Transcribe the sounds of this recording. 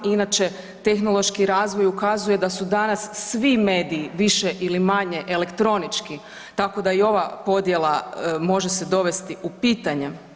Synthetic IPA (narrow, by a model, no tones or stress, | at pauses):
inat͡ʃe̞ | t̪e̞xno̞lˠo̞ʃkiɾaːzʋo̞jukazuje̞d̪asud̪anasːʋime̞ːd̪iːʋiʃeʔilimaɲe̞ʔele̞kt̪ɾo̞nit͡ʃki | t̪ako̞d̪aio̞ʋapo̞d̪je̞lˠamo̞ʒe̞sed̪o̞ʋe̞st̪iʔupiːt̪aɲe̞